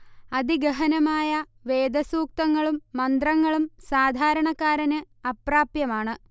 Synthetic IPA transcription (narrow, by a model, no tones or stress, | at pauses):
ɐd̪iɡɐɦɐnɐmaːjɐ | ʋe̞ːd̪ɐsuːk̚t̪ɐŋːɐɭumːɐnd̪rɐŋːɐɭumsaːd̪ʱaːɾɐɳɐkːaːɾɐnɨ | ɐpraːpjɐmaːɳɨ